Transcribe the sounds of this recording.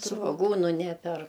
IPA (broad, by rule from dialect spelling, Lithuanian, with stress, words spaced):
sʋoːˈɡuːnʊ ˈnʲæːpʲɛr